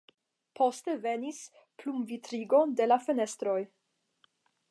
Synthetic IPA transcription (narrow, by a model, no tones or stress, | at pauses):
pʰo̞ste̞ve̞nis | plumvitɾiɡo̞nde̞lafene̞st̪ɾo̞j